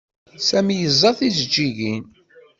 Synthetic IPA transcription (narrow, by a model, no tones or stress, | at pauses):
sæmijəzˤːɑθizəd͡ʒːiʝin